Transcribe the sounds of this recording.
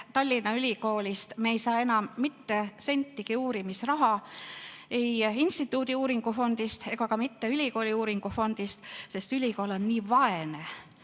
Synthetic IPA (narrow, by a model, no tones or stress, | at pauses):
t̪ɑlʲːinɑylʲiko̞ːlʲist̪meejsɑːe̞nɑmːit̪ːe̞se̞nʲt̪ːiɡ̥iuːɾimisrɑɦɑ | e̞jinst̪it̪ːˑuːd̪̥iuːɾiŋɡ̥ufo̞nd̪̥ist̪e̞ɡɑkɑmit̪ːe̞ylʲiko̞ːliuːɾiŋɡ̥ufo̞nd̪̥ist̪se̞st̪ylʲiko̞ːlo̞nːiːvɑe̞ne̞